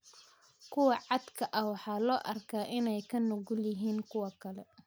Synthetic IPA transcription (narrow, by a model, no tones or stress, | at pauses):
kʰʊwɑʕɑd̪kʰɐʔɐwɑħɑːlɔːʔɐrkʰaːʔɪnɛjkʰɐnʊɣʊljɪɦiːŋkʰʊwɐkʰɐlɛ